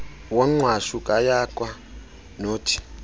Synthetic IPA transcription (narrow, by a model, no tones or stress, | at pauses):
waŋ͡ǀwaʃukʼajakʼwa | noːtʰi̥